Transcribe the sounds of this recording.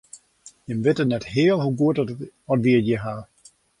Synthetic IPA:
jəmʋɪtənɛthɪəlˠɦuɡuətɔtʋiədjəɦaː

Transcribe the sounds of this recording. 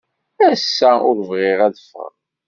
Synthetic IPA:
æsːæʊɾvʁɪʁæðəfə̰ʁ

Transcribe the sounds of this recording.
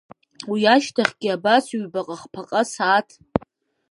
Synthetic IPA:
wiaʃtʰaχʲɡʲɪabaswɥbaqʼaχpʰaqʼasaːtʰ

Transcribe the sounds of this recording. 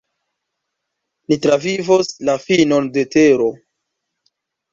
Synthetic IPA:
nitɾavivoslafinonde̞teɾo̞

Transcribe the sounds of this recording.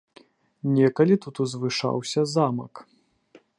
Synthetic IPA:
nʲɛkɐlʲit̪ut̪uzvɨʂa̰wsʲɐzamɐ̰k

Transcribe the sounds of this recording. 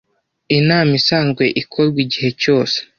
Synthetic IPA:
inaːmisaːnzɡwe̞ʔikʰoɾɡwiɟiɦe̞co̞ːse̥

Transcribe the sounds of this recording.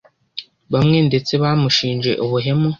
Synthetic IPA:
bamwen̩deteβamuʃiːnd͡ʒeʔoβuɦemu

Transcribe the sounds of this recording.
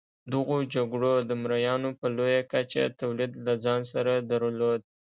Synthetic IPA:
d̪əɣod͡ʒaɡɽod̪əmɾajɑnopəlojakat͡ʃa̰t̪awlid̪lad͡zɑnsaɾad̪aɾlod̪̚

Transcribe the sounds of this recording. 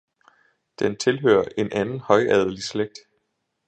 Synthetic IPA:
d̥ent͡sʰe̝lɦø̰ːɐʔe̝nʔænn̩hɒ̽ɪʔɛð̞ˠəlisleɡ̥̚d̥

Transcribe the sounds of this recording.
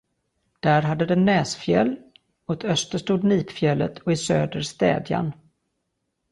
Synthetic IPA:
d̪̥æːɾɦad̪ːəd̪ɛnːɛːsfjɛ̰lː | ɔt̪œst̪əʂʈuːd̪niːpfjɛlːə̰t̪ʰɔɪsøːd̪əɾst̪ɛ̰ːd̪ja̰n

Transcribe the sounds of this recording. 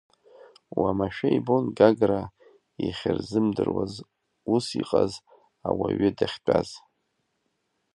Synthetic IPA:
wamaʃᶣaibonɡaɡra | iχʲɪrzɨmdɨrwaz | usiqʼaz | awaɥɪdaχʲt͡pʼaz̥

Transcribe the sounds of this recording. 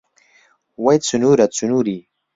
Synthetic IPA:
wajt͡sunuɾat͡sunuɾi

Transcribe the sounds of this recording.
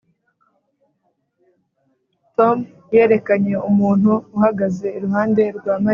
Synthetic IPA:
tom | je̞ːɾe̞kaɲe̞umuːn̥huːhaɡaze̞iɾuɦaːnde̞ɾɡwaːma

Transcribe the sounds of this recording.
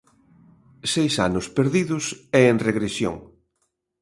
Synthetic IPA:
sejsanʊspeɾðiðʊsɛenreɣɾesjo̰ŋ

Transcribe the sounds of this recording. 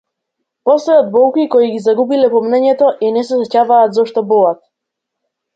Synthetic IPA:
pɔslɛjɔd̪̚bɔlˠkikɔiɡizaɡubilɛpɔmnɛɲɛt̪ɔʔinɛsɛsɛcavaːt̪zɔʃt̪ɔbɔlat̪̚

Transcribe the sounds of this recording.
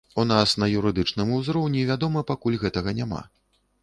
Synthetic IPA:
unasnɐjuɾɨd̪ɨt͡ʂnɨmuzɾɔwnʲivʲad̪ɔmɐpakulʲɣɛt̪ɐɣɐnʲama̰

